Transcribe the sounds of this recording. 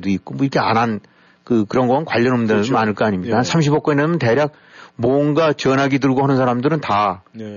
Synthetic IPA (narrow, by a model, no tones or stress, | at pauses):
duik͈omʌiɾkʰea̰ɾan | kɯkɯɾʌnɡʌmɯnkwaʎːʌnʌmdɯɯnaɲɯɭk͈aaɲimɲik͈ahansʰamɕ̬ʰibok͈ʌɲiaɯnteɾjak̚ | mwʌŋɡat͡ɕʌnɦaɡidɯɭɡohanɯnsʰaɾamdɯɾɯnta